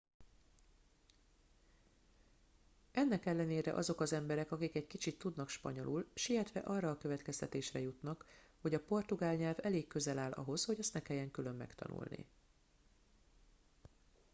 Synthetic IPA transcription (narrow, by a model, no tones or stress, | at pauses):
ɛnːɛkɛlːɛneːɾɛ̰ʔɒzo̞kɒzɛmbɛɾɛkɒkikɛɟkit͡ʃit̪ːud̪nɒkʃpɒ̰ɲo̞̰lʔulʃiɦɛt̪ʋɛ̰ʔɒrːɒːkø̞vɛt̪kɛst̪ɛt̪eːʃrɛjut̪nɒkho̞ɟɒpo̞rt̪uɡaːlɲɛlvɛleːkːø̞zɛlaːlʔɒ̰ɦo̞sho̞ɟɛst̪nɛkɛjːɛŋkylø̞mːɛ̰kt̪ɒ̰nṵlnḭ